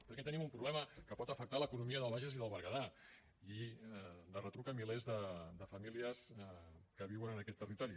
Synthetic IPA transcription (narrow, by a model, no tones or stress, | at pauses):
pəɾkɛt̪ənimumpɾuβlɛməkəpɔt̪əfək̚t̪aləkunumiəðəlˠβaʒəziðəlˠβəɾɣəða | i | d̪ərət̪ɾukəmilezðəd̪əfəmiliəskəβiwənənəkɛt̪ːərit̪ɔɾi